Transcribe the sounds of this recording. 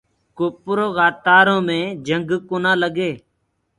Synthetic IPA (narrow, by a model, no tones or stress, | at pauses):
koːpʊɾoːɣaːt̪aːɾõːmẽːd͡ʒəŋɡkoːnãːləɡeː